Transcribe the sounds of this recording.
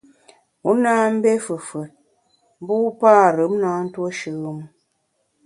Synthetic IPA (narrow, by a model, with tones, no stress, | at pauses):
u˨˦na˦m̩˦be˦fɨ˨fə˨t̚ | m˦bu˦u˦paː˦˨ɾɨ˨˦mna˦n̩˦two˦ʃɨ˦m˦